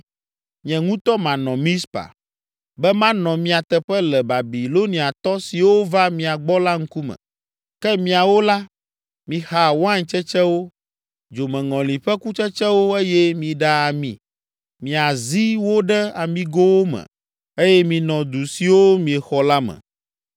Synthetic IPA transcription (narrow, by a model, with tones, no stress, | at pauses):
mĩ˨ɛ̃˨ŋũ˦t̪ɔ˦mã˨nɔ̃˨mĩ˦spa̰˨ | bɛ˦mã˦nɔ̃˨mĩ˦a˨t̪ɛ˨ɸɛ˦lɛ˨ba˨bi˨lo˦nĩ˨a˨t̪ɔ˦si˨wo˦va˦mĩ˨a˨ɡ͡bɔ˦la˦ŋ̩˦ku˦mɛ̰̃˨ | kɛ˦mĩ˦a˨wo˦la˦ | mĩ˨ha˨wã˦ɲt͡ʃɛ˦t͡ʃɛ˦wo˦ | d͡ʒo˨mɛ̃˨ŋɔ̃˨lĩ˨ɸɛ˦ku˦t͡ʃɛ˦t͡ʃɛ˦wo˦e˦jɛ˦mĩ˨ɖa˦a˨mḭ̃˨ | mĩ˨a˨zi˦wo˦ɖɛ˦a˨mĩ˨ɡo˦wo˦mɛ̰̃˨ | e˦jɛ˦mĩ˨nɔ̃˨d̪u˨si˨wo˦mĩ˨ɛ˨xɔ˦la˦mɛ̰̃˨